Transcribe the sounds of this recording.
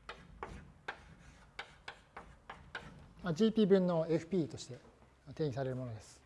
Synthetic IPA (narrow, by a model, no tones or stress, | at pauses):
mad͡ʑiːpʲiːbɯ̟̃nːo̞e̞ɸɯ̟pʲiːt̪o̞ɕi̥t̪e̞ | t̪ẽ̞ːɲʲisaɾe̞ɾɯ̟mo̞nod̪e̞sɨ̥